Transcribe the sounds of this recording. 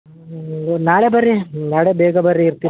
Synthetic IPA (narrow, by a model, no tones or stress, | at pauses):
naːɭebɐɾːinaːɭebɛːɡɐbɐɾːiːɾt̪i